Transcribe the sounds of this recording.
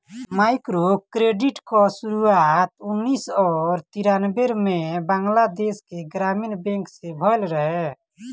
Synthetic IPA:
majkɾokɾeɖiʈkɔsuɾuat̪unːisɔːɾt̪iɾanbeɾmebaŋɡlad̪eskeɡɾaminbẽŋksebʱɔlɾəɦɛ

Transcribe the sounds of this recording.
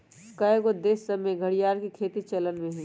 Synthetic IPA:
kaɡod̪eːsəmẽɡʱɐɽijaːɾkikʰeːt̪it͡ʃɐlənmẽɦũ

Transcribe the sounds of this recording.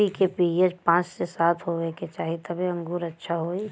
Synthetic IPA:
ikepijed͡ʒpãːt͡ʃsesaːt̪ʰɦoʋeket͡ʃaːɦit̪ɐbʱiə̃ŋɡuːɾətːʃʰaɦoːi

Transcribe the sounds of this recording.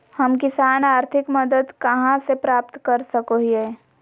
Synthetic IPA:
hɐmk̬ɪsaːnaːɾt̪ʰɪkməd̪əd̪kɐɦãsepɾaːp̚t̪kɐɾsəkoɦieː

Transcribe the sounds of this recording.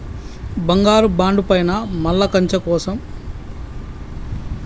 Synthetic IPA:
bɐŋɡaːɾubaːɳɖupɐjnɐmɐlːɐkɐɲt͡ʃɐkɔːsɐm

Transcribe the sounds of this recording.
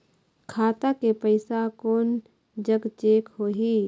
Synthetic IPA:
kʰaːt̪akepəɪsakoːn | d͡ʒəɡt͡ʃeːkɦoːɦiː

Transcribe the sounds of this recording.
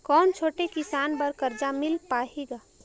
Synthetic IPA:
kɔːnt͡ʃʰoːʈekɪsaːnbəɾkəɾd͡ʒamɪlpaːɦiɡaː

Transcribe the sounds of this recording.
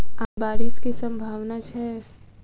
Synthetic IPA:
aːbaːɾɪskisɐ̃mbʱaːʋnat͡ʃʰɛ

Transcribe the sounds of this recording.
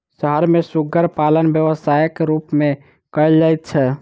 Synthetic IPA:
səɦəɾmesuɡəɾpalənbjəʋəsajkɾupme | kəɪld͡ʒajt̪̚t͡ʃʰɛ

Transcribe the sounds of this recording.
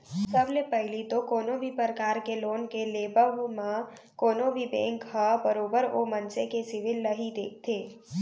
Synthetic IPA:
sɐblepɛɦlit̪okoːnobʱipəɾkaːɾkeloːnkeleːbəʋmã | koːnõbʱibḛ̃ːŋkɦabəɾoːbəɾomɐ̃nsekesɪʋɪlːɐɦid̪eːk̚ʰt̪ʰeː

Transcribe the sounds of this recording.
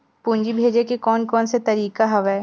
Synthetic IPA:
puːnd͡ʒibʱeːd͡ʒekekɔːnkɔːnset̪ɐɾiːkaɦɐʋɛː

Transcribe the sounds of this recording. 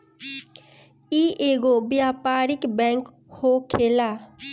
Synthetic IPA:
iʔeːɡobjaːpaːɾɪkbɛ̃ːŋk | hokʰeːlaː

